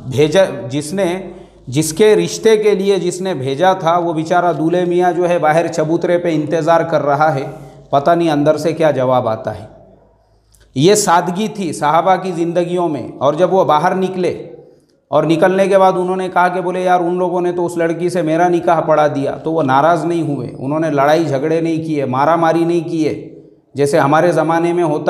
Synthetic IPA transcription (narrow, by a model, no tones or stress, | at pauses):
bʱeːd͡ʒd͡ʒɪsne | d͡ʒɪskeɾɪʃt̪ekelied͡ʒɪsnebʱeːd͡ʒat̪ʰaʋoʋɪt͡ʃaːɾad̪uːlemijad͡ʒoːɦɛbaːɦɪɾt͡ʃɐbuːt̪ɾepeɪ̃nt̪ɪzaːɾkɐɾːɐɦaɦɛːpɐt̪aniɐ̃nd̪əɾsekjaːd͡ʒɐʋaːba̰ːt̪a̰ɦɛ̰ː | jesaːd̪ʱɡit̪ʰisɐɦabakizɪ̃nd̪əɡijõmḛ̃ɔːɾd͡ʒɐbʋobaːɦəɾnɪkle | ɔːɾnɪkəlnekebaːd̪ʊnɦõːnekɐɦakeboːlejaːɾʊnloːɡõnet̪oʊslɐɽkisemeːɾanɪkaːɦpɐɽad̪ija̰t̪oʋonaːɾaːznɐɦĩɦʊḛʊ̰nɦõːnelɐɽaːid͡ʒʱɐɡɽenɐɦĩkiemaːɾamaːɾinɐɦĩkie | d͡ʒɛːseɦɐmaːɾezɐmaːnemẽɦoːt̪a